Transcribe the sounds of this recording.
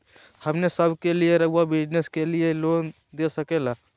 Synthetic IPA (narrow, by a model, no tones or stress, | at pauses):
hɐmnesəbʱkelieɾɐɦwabɪd͡ʒneskelieloːn | d̪esəkeːlaː